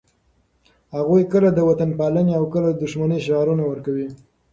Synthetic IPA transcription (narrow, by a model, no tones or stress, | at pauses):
haɣujkəlad̪əwat̪anpɑləneawkəlad̪ʊʃmaniʃ̬ɑɾunawəɾkawi